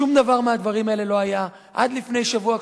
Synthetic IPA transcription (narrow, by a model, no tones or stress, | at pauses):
umd̪avaʁmead̪vaʁimaele̞lo̞aja | ʔa̰d̪lifne̞jʃavua